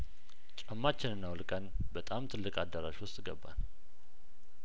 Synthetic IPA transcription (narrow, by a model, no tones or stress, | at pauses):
t͡ʃʼəmːat͡ʃːɪnɨnːawlkʼən | bət̪ʼamt̪ʰɨlːɨkʼad̪ːəɾaʃwʊst̪ʼɡəbːa̰n